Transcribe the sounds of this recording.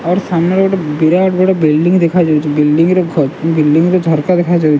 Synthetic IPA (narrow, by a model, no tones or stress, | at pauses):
ɔːɾsaːmneɾbɽabɪɾaːʈbəɽabɪlɖɪ̃ŋɡd̪ekʰad͡ʒaːɛt͡ʃʰibɪlɖɪ̃ŋɡɾoɡʱbɪlɖɪ̃ŋɡɾod͡ʒʱɔɾkad̪ekʰad͡ʒaːɛt͡ʃʰ